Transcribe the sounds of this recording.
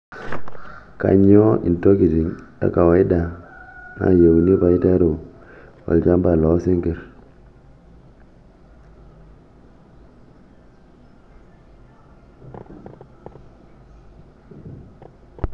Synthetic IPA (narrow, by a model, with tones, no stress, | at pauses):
ka̰˨ɲo˦ʔḭ˨nto˦ki˨ti˨ŋda̰˦˨ka˨wa˨˦i˦da˨ŋa̰˨je˨wni˦pa˨i˦ta˦ɾu˨ | wa̰˨ld͡ʒa˦mba˨lo˨˦si˦ŋɡi˨ɾ